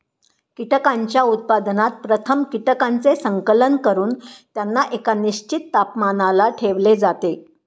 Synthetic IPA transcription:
kiʈəkaɲt͡ɕjaut̪̚pad̪nat̪̚pɾət̪ʰəmkiʈəkant͡sesəŋkələnkəɾuːnt̪janːaʔekaniɕt͡ɕit̪ːapmanalaʈʰeʋled͡zat̪e

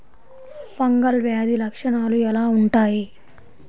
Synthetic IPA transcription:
pɐŋɡɐlʋjaːd̪ilɐkʂɐɳaːluɛlaːuɳʈaːji

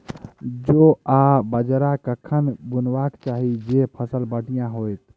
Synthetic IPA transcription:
d͡ʒoabəd͡ʒɾakəkʰənbunbakt͡ʃaɦid͡ʒepʰəsəlbəɖijãɦojt̪

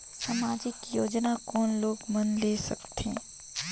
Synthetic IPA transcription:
samaːd͡ʒɪkjoːd͡ʒnakɔːnloːɡmɐnleːsɐ̰kt̪ẽː

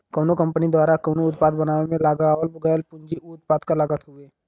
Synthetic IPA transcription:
koːnokɐ̃mpənid̪waːɾakoːnoʊt̪̚paːd̪bɐnaːʋemẽlaːɡaːʋəlbʊɡajlpʊ̃ɲd͡ʒiʊt̪̚paːd̪kalaɡət̪ɦʊeː

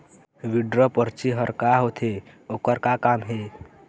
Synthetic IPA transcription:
ʋiɖɾəpəɾt͡ʃiɦəɾkaɦot̪ʰe | okəɾkakamɦe

